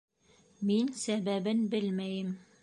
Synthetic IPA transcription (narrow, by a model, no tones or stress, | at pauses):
minsæβæbɘnbɘlmæjɘm